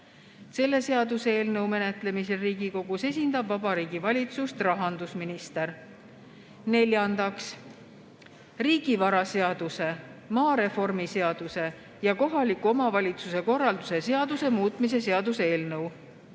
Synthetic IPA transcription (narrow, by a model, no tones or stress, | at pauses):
se̞lːe̞se̞ɑd̪useeːlnɤwme̞ne̞t̪ˑle̞mise̞ɾiːɡiko̞ɡ̥use̞s̬ʲind̪ɑbvɑbɑɾiːɡ̥ivɑlʲit̪sust̪rɑɦɑnd̪usminist̪eɾ | ne̞lʲjɑnd̪̥ɑks | riːɡ̥ivɑɾɑse̞ɑd̪use̞mɑːɾe̞fo̞rmise̞ɑd̪̥use̞ | jɑko̞ɦɑlikːˑuo̞mɑvɑlʲit̪suse̞ko̞rːɑld̪̥use̞se̞ɑd̪̥use̞muːt̪ˑmis̬e̞se̞ɑd̪use̞ːlnɤw